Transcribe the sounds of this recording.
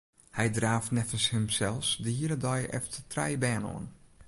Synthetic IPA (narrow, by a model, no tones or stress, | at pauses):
hɛjdraːftnɛfənshəmsɛlˠsdəhiəɾədɔjʔɛ̰ftətrɛjbɛːno̰ən